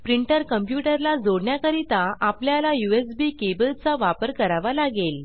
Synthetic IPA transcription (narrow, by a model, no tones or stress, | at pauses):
pɾiɳʈəɾkəmpjuʈəɾlad͡zoɽɳjakəɾit̪aʔapljalajuesbiːkebəlt͡saʋapəɾkəɾaʋalaɡel